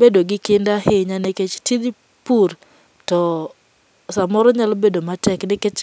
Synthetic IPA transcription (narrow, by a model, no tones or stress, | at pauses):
bedoɡɪkɪndaheɲaneket͡ʃtid | puɾ | tɔ | samɔɾɔɲalbedomatɛknɪket͡ʃ